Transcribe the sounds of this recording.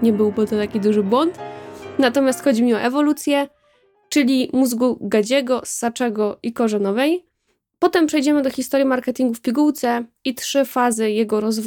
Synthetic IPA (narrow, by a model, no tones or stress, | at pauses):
ɲɛbɘwbɨt̪ɔt̪akʲid̪uʐɘbwɔnt̪nat̪ɔmʲjast̪xɔd͡ʑimɲiɔʔɛvɔlut̪sʲjɛ | t͡ʂɘlʲimuzɡuɡad͡ʑɛɡɔsat͡ʂɛɡɔʔikɔʐɛnɔvɛj | pɔt̪ɛmpʂɛjd͡ʑɛmɘd̪ɔxʲist̪ɔɾʲjimaɾkɛt̪ʲiŋɡufpʲiɡuwt̪sɛ | itʂɘfazɘjɛɡɔɾɔzv